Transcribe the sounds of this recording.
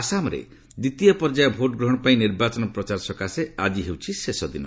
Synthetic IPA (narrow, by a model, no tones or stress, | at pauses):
asamɔɾḛ | d̪it̪ijɔpɔɾd͡ʒajɔbʱoʈɔɡɾɔɦɔ̃ɽ̃ɔpaĩniɾbat͡ʃɔnɔpɾɔt͡ʃaɾsɔkasead͡ʒiɦewt͡ʃʰisesɔd̪inɔ̰